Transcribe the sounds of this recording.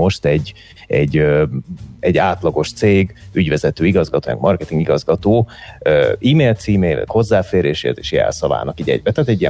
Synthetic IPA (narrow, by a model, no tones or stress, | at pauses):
o̞ʃt̪ɛɟ | ɛɟːø | ɛɟːaːt̪lɒɡo̞ʃt̪seːɡyɟvɛzɛt̪øːiɡɒzɡɒt̪oːmɛ̰ɡmɒrkɛt̪iŋɡiɡɒzɡɒt̪oːøiːmeːlt̪siːmeːlɛ̰khozːaːfeːɾeːʃḛːrt̪e̥ːʃjɛ̰lsɒla̰ːnɒkiːɟɛ̰ɟ̚bɛt̪aːt̪ɛɟːijɛ